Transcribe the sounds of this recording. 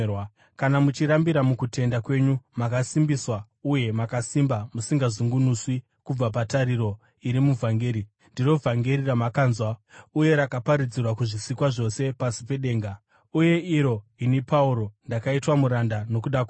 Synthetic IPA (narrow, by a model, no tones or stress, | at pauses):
w | kanamut͡ʃiɾambiɾamukutʰe̞ndakwe̞ɲumakasimbiswa | uje̞makasimbamusiŋɡazuŋɡunuswi | kub͡vap̬ataɾiɾo̞ | iɾimuvʱaŋɡeɾi | ndiro̞vʱaŋɡeɾiramakaːnzwauje̞ɾakapaɾid͡zirwakuʐisikwaʐo̞se̞pasi̥pe̞ɗe̞ːŋɡa | uje̞iɾo̞inipauɾo̞ndakaitwamuɾandano̞kuɗakw